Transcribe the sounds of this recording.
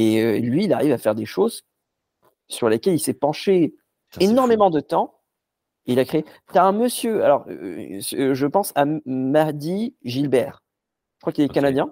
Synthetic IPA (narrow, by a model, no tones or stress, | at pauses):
eølɥiːlaʁivafɛʁd̪eʃoz | syʁlekʲɛlilsɛpɑ̃ʃe | enɔʁmemɑ̃d̪ət̪ɑ̃ | eilakχeet̪yaɛ̃məsjøa̰lɔʁ̰sʒəpɑ̃samaʁd̪iʒilbɛːʁ | ʒə̥kχwakilɛkanad̪jɛ̃